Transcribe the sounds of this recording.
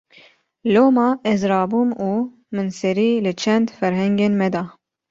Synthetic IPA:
loːmɑːʔɛzɾɑːbuːmuː | mɨnsɛɾiːlɨt͡ʃʰɛnd̪fɛɾɦɛŋɡeːnmɛd̪ɑː

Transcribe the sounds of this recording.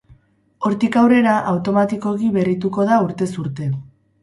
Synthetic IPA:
o̞ɾt̪ikawre̞ɾaʔawt̪o̞mat̪iko̞ɣiβe̞rit̪uko̞ðauɾt̪e̞suɾt̪e̞

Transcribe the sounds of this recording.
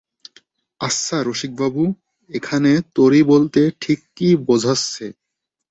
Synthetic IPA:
asːaɾoʃik̚babu | ekʰanet̪oɾibolt̪eʈʰikːibod͡ʑʱasːe

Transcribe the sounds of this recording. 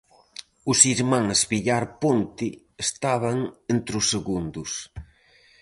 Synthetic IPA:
ʊsiɾmãŋzβiʎaɾpont̪i | est̪aβ̞aŋent̪ɾʊsːeɣund̪ʊs

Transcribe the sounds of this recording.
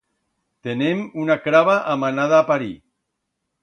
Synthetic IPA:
t̪enemunakɾaβaʔamanaðaːpaɾi

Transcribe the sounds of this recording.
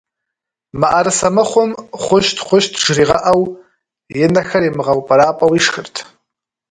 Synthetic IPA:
maʔaɾɨsamɨχʷʊmχʷʊʃtʰχʷʊʃtʰʐriʁaʔaw | jɪnaxaɾimɨʁawpʼaɾaːpʼawiʂxɨrtʰ

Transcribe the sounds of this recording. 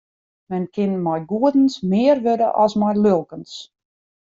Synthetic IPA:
mɛnkʰɪnmɔjɡuədən̩smɪːərʋødəʔɔsmɔjlølˠkəns

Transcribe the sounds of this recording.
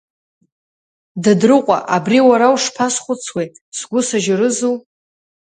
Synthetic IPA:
dadrɨqʷʼa̰ʔabriwaɾawʂpʰasχʷʊt͡sʰwi | sɡʷʊsaʒaɾɨzuw

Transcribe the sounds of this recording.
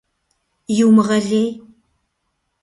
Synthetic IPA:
juːmʁɐɮeːj

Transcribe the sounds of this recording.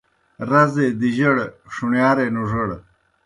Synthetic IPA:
ɾɐzed̪iʑɐɽʂuɳjaːɾenuʐəɽ

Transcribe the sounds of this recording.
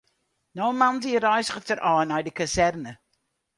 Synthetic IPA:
nɔmandiɾɔjsχətʰəɾʔɔnɔjdikʰəsɛrnə

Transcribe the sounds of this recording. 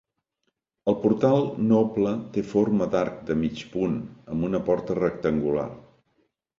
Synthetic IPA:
əlˠpuɾt̪alˠnoplət̪efoɾməd̪aɾk̚d̪əmit͡ʃpunəmbunəpɔɾt̪ərək̚t̪əŋɡula̰r

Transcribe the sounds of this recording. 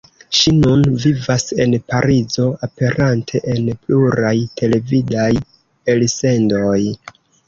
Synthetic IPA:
ʃinunvivase̞̰npaɾizo̞ape̞ɾantʰe̞ʔenpluɾajtʰe̞le̞vidaj | else̞ndo̞j

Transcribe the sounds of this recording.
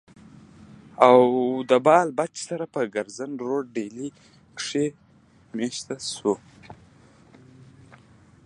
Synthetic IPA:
awd̪əbɑlbat͡ʃsaɾapəɡaɾzənɾoɖeli | kʂe | meʃt̪asu

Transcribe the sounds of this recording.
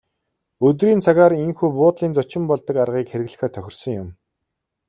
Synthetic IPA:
ɵt̪̬riːnt͡sʰaɣaːɾiŋxuːpʊːt̪ɮiːnt͡sʊt͡ɕɪ̆mpɔɮt̪ə̆karʁiːkxeɾɘ̆ɣɮɘ̥̆xœːt̪ʰœxʲɪ̆rsɞ̆ŋjʊm

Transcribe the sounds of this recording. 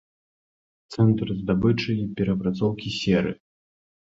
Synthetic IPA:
t̪sɛnt̪ɾzd̪abɨt͡ʂɐjipʲɛɾɐpɾat̪sɔwkʲisʲɛɾɨ̰

